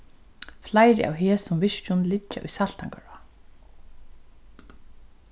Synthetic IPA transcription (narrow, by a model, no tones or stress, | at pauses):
flajɾɪʔa̰ːwɦeːsʊmvɪʃt͡ʃʊnlɪt͡ʃːa̰ʔʊ̰jsalt̪aŋkœɹa